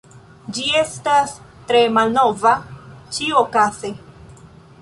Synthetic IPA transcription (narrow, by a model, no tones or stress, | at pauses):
d͡ʒie̞stas | tɾe̞malno̞vat͡ʃiokaze